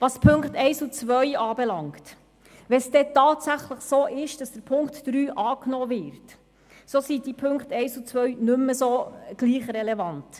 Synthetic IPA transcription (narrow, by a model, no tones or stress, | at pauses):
ʋɑspʰɵŋktɛɪsut͡sʋœɥɑːbɛlɑŋkt | ʋɛsd̥ɛtɑːtsæχləχsoːʔɪʃd̥ɑsd̥əɾpʰʊŋktːɾyːʔɑːknoːvɪɾt | soːsid̥ipʰɵŋkχtɛɪsut͡sʋœɥnɵmːəsoːɡ̥liːχɾɛlɛvɑnt